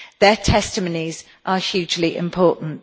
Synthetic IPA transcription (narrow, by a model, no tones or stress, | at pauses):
ðətʰɛstəməniz̥ | ʔəhjʉːd͡ʒliʔɪ̰̃mpʰɔˑʔn̩t